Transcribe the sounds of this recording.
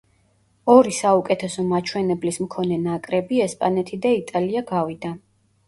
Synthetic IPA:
ɔɾisaukʼɛt̪ʰɛsɔmat͡ʃʰwɛnɛblismkʰɔnɛnakʼɾɛbiɛspʼanɛt̪ʰid̪ait̪ʼaliaɡavid̪a

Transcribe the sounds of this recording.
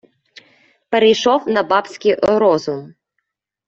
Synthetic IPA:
peɾejʃɔwnɐbɑpsʲkʲijʔɾɔzʊm

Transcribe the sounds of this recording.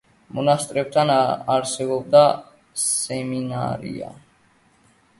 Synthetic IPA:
mɔnast̪ʼɾɛp̚t̪ʰanaɾsɛbɔb̚d̪a | sɛmina̰ɾḭa̰

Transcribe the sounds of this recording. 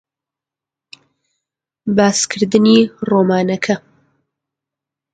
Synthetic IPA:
baːskʰɨɾd̪ɨniːroːmaːnɐkʰɐ

